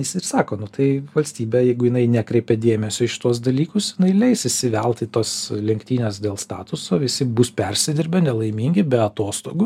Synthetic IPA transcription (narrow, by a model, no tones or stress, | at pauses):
ɪsɪrsɑːkoːnʊt̪ɐɪʋɐlʲsʲt̪ʲiːbʲɛːjɛɪɡʊjɪnɐɪnʲækɾʲɛɪpʲɛd̪ʲeːmʲɛsʲoːɪʃʲɪ̥t̪uɔs̬d̪ɐlʲiːkʊsjɪnɐɪlʲɛɪsɪsʲɪʋʲɛlˠt̪ʲɪt̪oːslʲɛŋkt̪ʲiːnʲɛs̬d̪ʲeːlˠst̪ɑ̰ːt̪ʊsoːʋʲɪsʲɪbuspʲɛrʲsʲɪd̪ʲɪɾʲbʲɛnʲɛlˠɐɪmʲiŋʲɡʲɪbʲɛɐt̪oːst̪oːɡʊ